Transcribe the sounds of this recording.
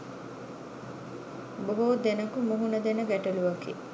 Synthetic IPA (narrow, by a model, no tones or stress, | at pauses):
boɦod̪enəkumuɦunəd̪enəɡæʈɐluʋakḭ